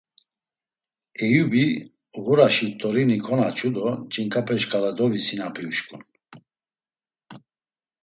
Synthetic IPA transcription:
ɛjubi | ɣuɾaʃipt̪ʼɔɾinikʰɔnat͡ʃʰud̪ɔd͡ʒiŋkʼapʰɛʃkʼalad̪ɔvisinapʰiuʃkʼun

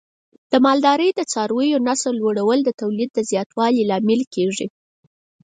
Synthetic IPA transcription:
d̪̥əmɑld̪ɑɾəjd̪ət͡sɑɾwəjonasəlwoɽawəld̪ət̪awlid̪̚ːəzjɑt̪wɑlilɑmɪlkeʐi

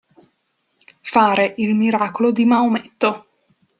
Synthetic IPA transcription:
faːɾeʔilmiɾaːkolod̪imaumɛt̪ːo

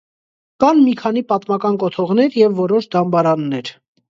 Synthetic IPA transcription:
kɑnmikʰɑnipɑt̪mɑkɑnkɔt̪ʰɔʁnɛɾjɛvːɔɾɔʃd̪ɑmbɑɾɑnːɛɾ

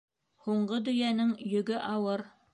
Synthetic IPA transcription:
huɴɢɤd̪ɵ̆jænɘŋjɵ̆ɡɘʔɑwɤɾ

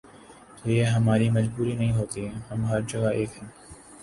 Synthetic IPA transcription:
t̪oːjeːɦɐmaːɾimɐd͡ʒbuːɾinɐɦĩːɦoːt̪iɦɛ̃hɐmɦɐɾd͡ʒɐɡaʔeːkɦɛ̃ː

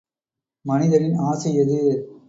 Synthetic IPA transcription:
mɐnɪðɐɾɪnaːsɐjɐðɯ

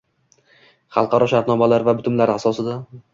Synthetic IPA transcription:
χɑlˠqʰɑɾɒʃaɾt̪nɒmalaɾvabʊt̪ʰʊmlaɾasɒsɪd̪a

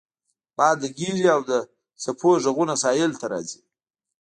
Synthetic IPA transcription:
bɑd̪əɡiʒiawd̪ə | sapʰoʒaɣunasɑjɪlt̪aɾɑ̰zi̥

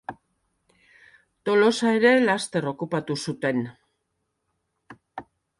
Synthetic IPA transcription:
t̪o̞lo̞sae̞ɾe̞last̪e̞ro̞kupat̪usut̪e̞n

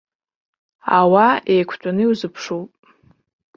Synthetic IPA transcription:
awaejkʷʰt͡ʃʷʼanɨiwzɨpʰʂowpʼ

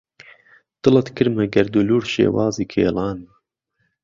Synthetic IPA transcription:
t̪ɨlɑt̪kɨɾmɐɡɐɾd̪uluːɾʃḛːwɑːziːkʰḛːlɑːnmɐ

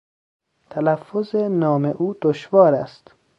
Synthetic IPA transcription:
t̪ʰælæfːozenɒːmeʔuːd̪̥oʃvɒːɾæ̰st̪

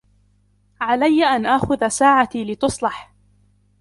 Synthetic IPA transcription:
ʕalajːaʔanʔaxʊðasaːʕat̪ilɪt̪ʊsˤlɑħ

